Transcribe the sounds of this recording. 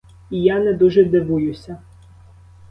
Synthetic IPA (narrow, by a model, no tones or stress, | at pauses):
ijanɛd̪uʒɛd̪ɪʋujʊsʲɐ